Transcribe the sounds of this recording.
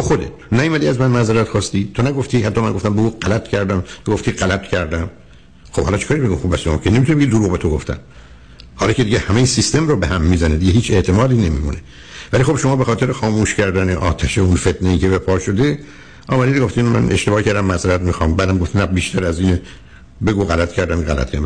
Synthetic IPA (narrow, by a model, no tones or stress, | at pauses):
t̪oxod̪ḛt̪ʰnæjiːmæd̪iːæzmænmæzeɾæt̪xɒːst̪iːt̪ʰonæɡoft̪iːhæt̪ːɒːmæ̰nŋɡo̞ft̪æmbeuːɢælæt̪cʰæɾd̪æmt̪oɡo̞ft̪iːʁælæt̪ʰcʰæɾd̪æm | xob̥hɒlɒt͡ʃʰe̥kʰːɾibeɡomxobæsomɒ̰kʰenmit̪unebeid̪oɾuɣbet̪ʰoɡoft̪æ̰n | hɒːlɒːcʰed̪iɟehæmejesist̪e̞mɾobehæmːizæned̪iɟeɦiːt͡ʃʰe̞ʔt̪ʰe̞mɒːd̪iːne̞mḭːmṵne | vælixo̞bʃomɒːbexɒːt̪e̞ɾexɒːmuːʃcæɾd̪æneʔɒːt̪ʰæʃeunfe̞t̪ʰneiːcʰebepʰɒːʃo̞d̪e | ʔɒːmæd̪iːd̪ɡo̞ft̪imæ̰nʔeʃt̪ebɒːcʰæɾd̪æmːæseɾæt̪mixɒːmbæːd̪æmɡoft̪inæbiːʃt̪ʰæɾæziːne | be̞ɡuɣælæt̪cʰæɾd̪æmɣælæ̰t̪̚ʰæ